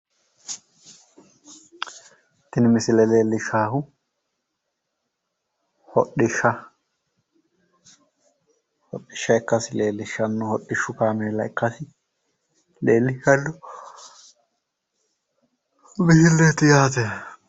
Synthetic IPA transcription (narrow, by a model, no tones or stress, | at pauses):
t̪ːɪnɪmɪsɪlɛleːlːɪʃaːhʊ | hɔɗɪʃːɐ | hɔɗːɪʃːɐɛkːɐsɪle̞ːlːɪʃːɐnːʊhɔɗːɪʃːʊkaːmeːlɐɛkːɐsɪ | leːlːɪkɐlːʊ | bɪhɪlːet̪ːɪjaːt̪e